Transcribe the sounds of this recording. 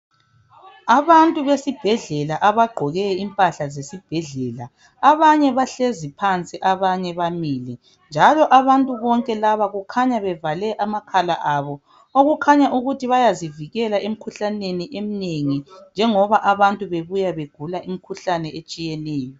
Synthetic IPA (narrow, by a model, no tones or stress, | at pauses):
aβantʼuβesib̥ʱɛɮɛlaʔaβaɡ͡ǃʱɔɣɛimpʼaɬazesib̥ʱɛɮɛːla | aβaɲɛβaɬezipʰant͡sʼiʔaβaɲɛβamiːlɛ | nd͡ʒʱalɔʔaβantʼuβɔŋkʼɛlaβaɣukʰaɲaβɛvalɛʔamakʰalaʔaβɔ | oɣukʰaɲaʔuɣutʰiβajaziviɣɛlaʔem̩kʰuɬaneniʔemineŋind͡ʒʱɛŋɔβaʔaβantʼuβeβujaβeɡ̥ʱulaʔimikʰuɬanɛet͡ʃʼijɛnɛːjɔ